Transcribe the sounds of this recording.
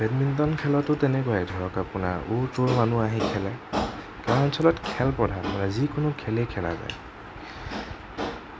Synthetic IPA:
bɛdmind̪ɔnkʰɛlɔtʊtɛnɛkɔjɛdʱɔɹɔkapuna̰ɹutʊlmanuaɦĩkʰɛlɛ | kaɹɔnsʰɔlɔtkʰɛlpɔdʱapanazikʊnʊkʰɛlekʰɛla̰za̰j

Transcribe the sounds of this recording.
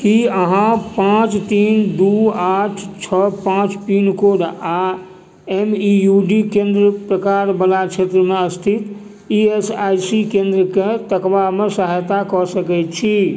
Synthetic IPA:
kiəɦãpãt͡ʃt̪iːnd̪uaʈʰt͡ʃʰəpãt͡ʃpiːnkoɖa | emijuɖikẽnd̪ɾəpɾəkaɾbəlat͡ʃʰet̪ɾəmeəst̪ʰit̪ | iesajsikẽnd̪ɾəket̪əkʋamesəɦajt̪akɔsəkɛt͡ʃʰi

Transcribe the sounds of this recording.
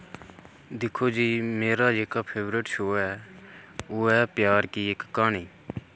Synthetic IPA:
d̪ɪkʰoːd͡ʒiːmeːɾaːd͡ʒeːkaːpʰeːʋɾeːʈʃoːɛː | oːɛːpjaːɾkiːekːaːɳiː

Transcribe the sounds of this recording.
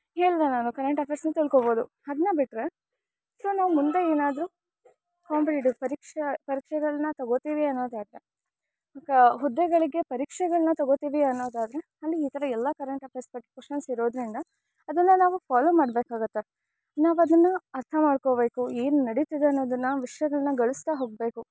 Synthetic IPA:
ɦe̞ːɭd̪ɐnaːnukɐɾeɳʈɐpʰeɾsnɐt̪iɭkobo̞ːd̪u | ɐd̪ɐnːɐbiʈːɾe | so̞ːnaːʋumund̪eeːnaːd̪ɾu | kaːmpliʈupɐɾikʂepɐɾiːkʂɛɡɐɭɐnɐt̪ɐɡot̪iːʋiɐnːo̞ːd̪aːd̪ɾe | okɦud̪ːɛɡɐɭiɡe̞pɐɾiːkʂɛɡɐɭɐnɐt̪ɐɡot̪iːʋiɐnːo̞ːd̪aːd̪ɾe̞ | ɐlːiːt̪ɐɾɐɛlːɐkɐɾeɳʈɐpʰespɐʈːkwoʂʃɐnsiɾo̞ːd̪ɾind̪ɐː | d̪ɐnːɐnaːʋupʰaːloːmaːɽbeːkaːɡut̪ːe | naːʋɐd̪ɐnːɐɐɾt̪ʰɐmaːɖko̞ːbe̞ːkueːnunɐɽit̪id̪eɐnːo̞ːd̪ɐnːɐʋiʂjɐɡɐɭɐnɐɡɐɭust̪aɦoːɡ̚be̞ːku

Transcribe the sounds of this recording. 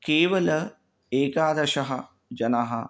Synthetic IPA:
keːʋɐlɐ | eːkaːd̪ɐʂɐɦɐ | d͡ʒɐnaɦɐ

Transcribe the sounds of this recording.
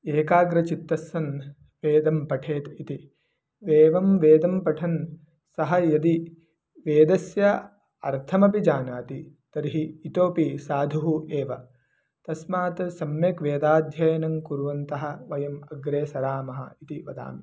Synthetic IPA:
eːkaːɡɾɐt͡ʃit̪ːɐsɐn | ʋeːd̪ɐmpɐʈʰeːt̪it̪i | ʋeːʋɐmʋeːd̪ɐmpɐʈʰɐn | sɐɦɐjɐd̪i | ʋeːd̪ɐsjɐ | ɐ̰ɾt̪ʰɐmɐpid͡ʒaːnaːt̪it̪ɐɾiɦiːt̪oːpisaːd̪ʱuɦueːʋɐ | t̪ɐsmaːt̪ɐsɐmjeːkʋeːd̪aːd̪ʱjɐjɐnɐŋkuɾʋɐnt̪ɐɦɐʋɐjɐmɐɡɾeːsɐɾaːmɐɦɐ̰it̪iʋɐd̪a̰ːmi

